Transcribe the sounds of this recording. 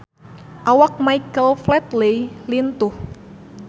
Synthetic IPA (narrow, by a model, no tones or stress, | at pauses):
ʔawak̚majkəlflɛt̪lejlint̪ʊh